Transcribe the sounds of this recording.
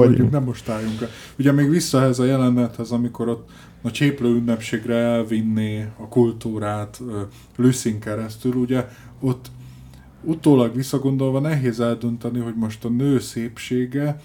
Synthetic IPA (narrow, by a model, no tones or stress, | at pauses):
ɒuknɛmo̞ʃt̪aːjuŋkɛ | uɟɛmeːɡʋisːɒɛɦɛzɒjɛlɛnːɛt̪hɛzɒmiko̞ɾo̞t̪ː | ɒt͡ʃeːpløːynːɛpʃeːɡrɛɛlvinːeːɒkult̪uːɾaːt̪ː | lysiŋkɛɾɛst̪yluɟɛ | o̞t̪ː | ut̪oːlɒɡʋisːɒɡo̞nd̪o̞lvɒnɛɦeːzɛld̪ø̞nt̪ɛniɦo̞ɟmo̞ʃt̪ɒnøːseːpʃeːɡɛ